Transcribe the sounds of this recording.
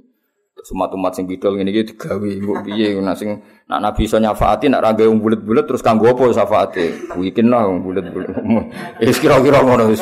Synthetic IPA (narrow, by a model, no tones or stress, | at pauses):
sumat̪umat̪sɪŋbid̥ɔlŋinikid̪i̥ɡ̥awiŋɡoʔbijenasɪŋ | na̰ʔnabisɔɲafa̰ʔat̪ina̰ʔɾʔaɡauŋbulət̪̚bulət̪ːɾʊskaŋɡoɔpɔsafaʔat̪ebuikɪnlahŋbulət̪̚bulumʊn | iskiɾɔkiɾɔmɔnɔ